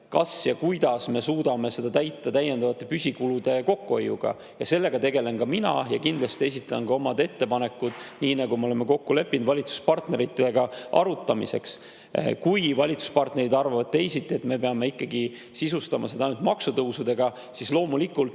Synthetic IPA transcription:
kɑsjɑkujd̪̥ɑsme̞suːd̪̥ɑme̞se̞d̪̥ɑt̪æjt̪ːɑt̪æjːe̞nd̪ɑvɑt̪ːˑe̞pysʲikulud̪̥e̞ko̞kːuojːṵɡ̥ɑ̰ | jɑse̞lːe̞ɡ̥ɑt̪e̞ɡe̞le̞nkɑminɑ̰jɑkind̪lɑst̪ie̞s̬it̪ːˑɑnkɑo̞mɑd̪e̞t̪ːe̞pɑne̞kːud̪̥niːnɑɡumeo̞lemeko̞kːule̞pːˑind̪vɑlʲit̪su̥spɑrt̪ne̞ɾit̪ːˑeɡ̥ɑʔɑ̰ɾut̪ːˑɑmḭse̞̰ks | kujvɑlʲit̪su̥spɑrt̪ne̞ɾid̪ɑrvɑvɑd̪̚t̪e̞jsit̪ːˑie̞t̪me̞pe̞ɑme̞ikːɑɡi | sisust̪ɑmʔɑse̞d̪ɑjnult̪mɑksut̪ɤuwsud̪e̞ɡ̥ɑ | sislo̞ːmulikːult̪

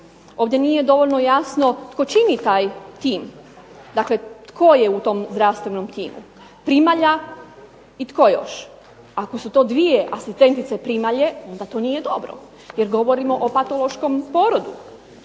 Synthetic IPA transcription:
oːʋd̪jenije̞d̪o̞ʋo̞lnojasno̞t̪ko̞t͡ʃinit̪aːjt̪iːm | d̪akle̞t̪kʰojeut̪o̞mzd̪ɾaʋst̪ʋeno̞mt̪iːmṵ | pɾimaʎa | it̪ko̞jo̞ʃ | akosut̪o̞ːd̪ʋijeʔasist̪e̞nt̪it̪sepɾimaʎe̞o̞nd̪at̪o̞nije̞d̪o̞bɾo̞̰ | jeɾɡo̞ʋo̞ɾimo̞ʔopat̪o̞lo̞ʃko̞mpo̞ːɾod̪u

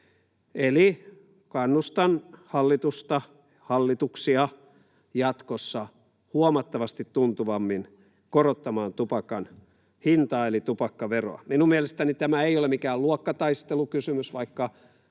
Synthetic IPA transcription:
eli | kɑnːust̪ɑnhɑlːit̪ust̪ɑ | hɑlːit̪uksiɑ | jɑt̪kosːɑ | huomɑt̪ːɑʋɑst̪it̪tunt̪uʋɑmːin | korot̪ːɑmɑːnt̪upɑkɑn | hint̪ɑːelit̪upɑkːɑʋero̰ɑ̰minummielest̪ænit̪æmæeijolemikæːluokːɑt̪ɑist̪elukysymysʋɑikːɑ

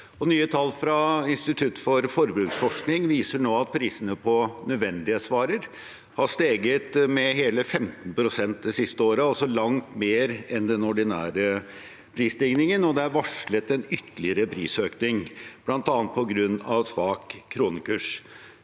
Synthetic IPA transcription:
ɔnyːət̪ʰɑlːfɾɑɪnst̪ɪt̪ʰʉt̪ːfɔɾfɔɾbɾʉːksfɔʂknɪŋʋiːsəɳoːɑt̪̚pʰɾiːsənəpʰɔnœd̪ʋɛnd̪ɪəsʋɑːɾəɾ | hɑʂt̪eːɡət̪mɛɦeːləfɛmt̪n̩pʰɾʊsɛnt̪̚d̪ɛsɪst̪əoːɾəɑlsɔlɑŋt̪meːɾɛnd̪ɛnɔɖɪnæ̰ːɾə | pʰɾiːsd̪ɪŋnɪŋənɔd̪ɛæɾʋɑʂɭət̪ɛnʏt̪ːəlɪəɾəpʰɾḭːsøːknɪŋb̥lɑnt̪ɑːnt̪̚pʰɔɡɾʉnːɑʋsʋɑːkʰːɾuːnəkʰʉːʂ

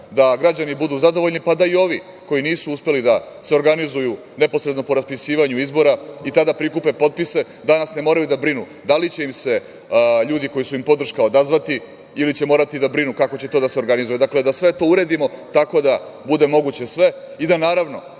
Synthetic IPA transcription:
d̪aɡɾad͡ʑanibud̪uzad̪o̞ʋo̞ʎnipad̪aio̞ʋi | ko̞jiniːsuuspe̞lid̪a | se̞o̞ɾɡanizuju | ne̞po̞sɾed̪no̞po̞ɾaspisiːʋaɲuizbo̞ɾait̪ad̪apɾikupe̞po̞t̪̚pise̞ | d̪anasne̞mo̞ːɾajud̪abɾinu | d̪alit͡ɕe̞imse̞ | ʎuːd̪iko̞jisuimpo̞d̪r̩ʃkaod̪azʋat̪i | ilit͡ɕe̞mo̞ːɾat̪id̪abɾinukako̞t͡ɕe̞t̪od̪aseo̞ɾɡanizujed̪akle̞d̪asʋe̞t̪o̞uɾe̞d̪imo̞t̪ako̞d̪abud̪e̞mo̞ɡut͡ɕe̞sʋe̞ | id̪anaːɾaʋno̞

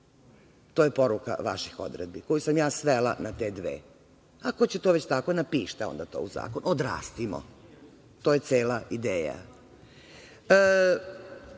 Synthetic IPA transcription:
t̪o̞ːjepo̞ɾuka̰ʋa̰ʃixo̞̰d̪ɾed̪̚biko̞jusamjaːsʋela̰nat̪e̞d̪ʋḛː | akot͡ɕet̪o̞ːʋet͡ɕt̪akonapiːʃt̪aond̪at̪o̞̰uza̰ːkonod̪ɾa̰ːst̪imo̰ | t̪ojet̪seːlaʔid̪eːja̰

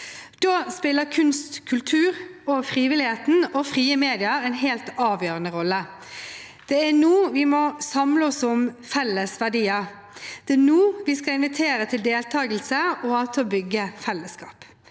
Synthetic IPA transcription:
d̪̥oːspɪlːəkʰʉnst̪kʰʉlt̪ʰʉːʁɔfʁiːʋɪlɪheːt̪n̩ɔfʁiːəmeːd̪ɪəɾɛɪnɦeːlt̪ɑːʋjøːʁənəʁɔlːə | d̪̥ɛænuːʋɪmɔsɑmləɔsʊmfɛlːəsʋædiːə | d̪̥ɛænuːʋɪskɑlɪnʋɪt̪ʰeːɾət̪ʰɪld̪eːlt̪ʰɑːɡəl̩səɔɑt̪bʏɡːəfɛlːəskɑ̰ːp

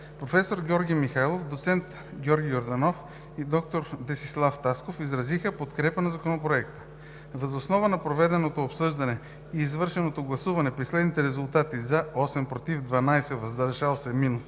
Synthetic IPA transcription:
pɾofɛsoɾɡʲɔɾɡʲijmixajlˠofd̪ot̪sɛnt̪ | ɡʲɔɾɡʲijoɾd̪ɐnof | id̪ɔk̚t̪oɾd̪ɛsislˠaft̪askofizɾɐzixəpot̪kɾɛpənɐzɐkonopɾoɛkt̪ə̥ | vɐzosnɔvənɐpɾovɛd̪ɛnot̪oːpsɤʒd̪ɐnɛ | iːzvɤɾʃɛnot̪oɡlˠɐsuvɐnɛpɾislɛd̪nit̪ɛɾɛzulˠt̪at̪izɐɔsɛmpɾot̪ivd̪vɐnajsɛvɐzd̪ɐɾʒalˠsɛminu

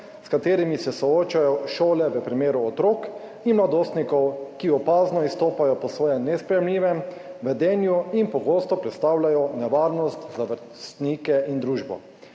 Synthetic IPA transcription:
skat̪eːɾimisɛsɔoːt͡ʃajɔʃoːlɛʋəpɾimeːɾuɔt̪ɾoːk | inmlad̪oːst̪nikɔwkiɔpaːznɔist̪oːpajɔpɔsʋɔːjɛmnɛspɾɛjɛmliːʋɛm | ʋɛd̪ɛnjuinpɔɡost̪ɔpɾɛt̪st̪aːwlʲajɔnɛʋaːɾnɔst̪zaʋəɾ | st̪nikɛʔind̪ɾuːʒbɔ̰

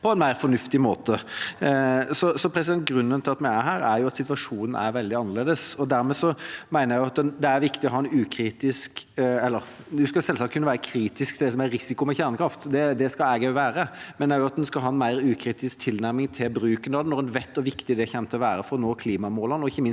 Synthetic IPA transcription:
pʰɔɛnmæɪɾfɔnʉft̪ɪmoːt̪ə | sɔsɔpʰɾɛsɪd̪ɛnt̪̚ɡɾʉnːənt̪ɪlɑt̪mɛæɦæːɾæɾjʊɑt̪sɪt̪ʋɑʂuːnn̩æ̰ɾʋɛld̪ɪɑnːəɾleːd̪əsɔd̪æɾmɛːsɔmæɪnəjæɪjʊɑt̪d̪ɛæɾʋɪkt̪ɪɔhɦɑːɛnʉːkʰɾiːt̪ɪskɛlːəɾ | d̪ʉskɑlsɛlsɑːkʰʉnːəʋæːɾəkʰɾiːt̪ɪskt̪ʰɪld̪ɛs̬ɔmæɾɾɪsɪkʊmɛçæːɾnəkʰɾɑft̪d̪ɛd̪ɛskɑlɛːɡəʋæːɾəmɛnæɾjʊɑt̪̚ɛnskɑlɦɑːɛnmæɪɾʉːkʰɾiːt̪ɪskt̪ʰɪlnæɾmɪŋt̪ʰɪlbɾʉːkənɑd̪ɛnɔɾɛnʋɛt̪ːɔʋɪkt̪ɪd̪ɛçɛmt̪ʰəlɔʋæːɾəfɔɾnoːkʰliːmɑmoːlənɔɪçːəmɪn

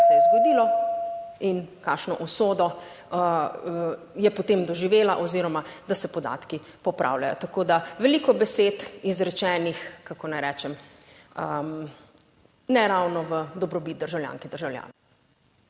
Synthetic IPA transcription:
sɛjɛzɡɔd̪iːlɔ | inkakʃnɔʔɔsoːd̪ɔ | jɛpɔt̪emd̪ɔʒiʋeːlaʔɔziɾɔmad̪asɛpɔd̪a̰t̪ki | pɔpɾʔa̰ːwla̰jɔ̰t̪akoːd̪aʋɛliːkɔbɛseːt̪izɾɛt͡ʃɛːnixkakɔnajɾɛt͡ʃɛm | ə | nɛɾawnɔʋəd̪ɔbɾɔbit̪̚d̪əɾʒawlja̰ːŋkɛd̪əɾʒawlja̰ːnɛ

